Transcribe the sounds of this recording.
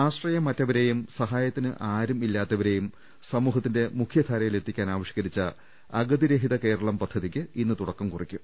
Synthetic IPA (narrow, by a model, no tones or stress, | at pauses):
aːʂʈrɐjɐmɐtːɐʋɐɾe̞jumsɐɦaːjɐt̪ːinɨʔaːɾumilːaːt̪ːɐʋɐɾe̞jum | sɐmuːɦɐt̪ːinde̞mukʰjɐt̪ʰaːɾɐjile̞t̪ʰːikʲːaːnaːʋɐʂjiɡɐɾit͡ɕːɐ | ɐɡɐd̪iɾeɦiðɐke̞ːɾɐɭɐmpɐd̪ʱːɐðikʲːɨinːɨt̪uɽɐkːɐmkurikʲːum